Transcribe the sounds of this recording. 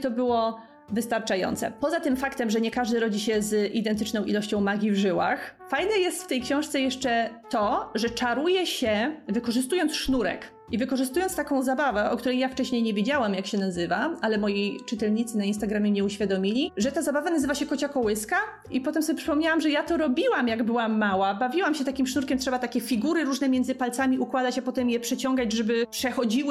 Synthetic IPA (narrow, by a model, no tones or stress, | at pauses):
t̪ɔbɘwɔ | vɘst̪aɾt͡ʂajɔ̰nt̪sɛ̰pɔzat̪ɘmfakt̪ɛmʐɛɲɛkaʐd̪ɘɾɔd͡ʑiɕɛzʔid̪ɛnt̪ɘt͡ʂnɔ̃w̃ʔḭlɔɕt͡ɕɔ̃w̃maɡʲivʐɘwa̰xfajnɛjɛst̪ft̪ɛjkɕɛ̃w̃ʂt̪sɛjɛʂt͡ʂɛt̪ɔʐɛt͡ʂaɾujɛɕɛvɘkɔʐɘst̪ujɔnt̪sʂnuɾɛ̰k | ivɘkɔʐɘst̪ujɔnt̪st̪akɔ̃w̃zabavɛʔɔ̰k̚t̪uɾɛjaft͡ʂɛɕɲejɲevʲed͡ʑawamjakɕɛnazɘvaalɛmɔjit͡ʂɨt̪ɛlɲit̪sɘnainst̪aɡɾamʲɛmɲɛuɕfʲjad̪ɔmʲilʲiʐɛt̪azabavanazɘvaɕɛkɔt͡ɕakɔwɘska | ipɔt̪ɛmsɔbʲɛpʂɘpɔmɲawamʐɛjat̪ɔɾɔbʲiwamjaɡbɘwamːawabavʲiwamɕɛt̪akʲimʂnuɾkʲɛmtʂɛbat̪akʲɛfʲiɡuɾɘɾuʐnɛmʲɛnzɘpalt̪samʲiukwad̪at͡ɕapɔt̪ɛmjɛpʂɛt͡ɕɔŋɡad͡ʑʐɛbɘpʂɛxɔd͡ʑiwɘ